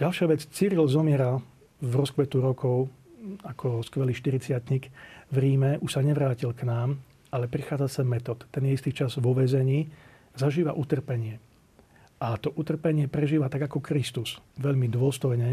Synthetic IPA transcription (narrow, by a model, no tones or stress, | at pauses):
ɟ̥alʃɪaʋɛt͡st͡siɾilzɔmɪɛɾa | vɾɔskʋɛt̪uɾɔkʰɔʊ | akʰɔskʋɛliːʃt̪iɾit͡sɪat̪ɲikvɾiːmɛuʃsaɲɛʋɾaːcilknaːm | alɛpɾixaːd͡zasɛmmɛt̪ɔːt̪ːɛnjɛist̪iːt͡ʃazʋɔʋɛzɛɲiː | zaʒiːʋa̰ʔut̪r̩pɛɲɪɛ | ʔat̪ɔʔut̪r̩pɛɲɪɛpɾɛʒiːʋat̪aɡakɔkɾist̪usʋɛʎmid̪ʊɔst̪ɔjɲɛ